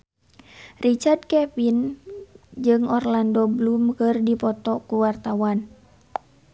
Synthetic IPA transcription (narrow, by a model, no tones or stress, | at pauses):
rit͡ʃard̚kɛpin | d͡ʒɨŋɔrlandɔblumkɨrdipɔt̪ɔkuwart̪awan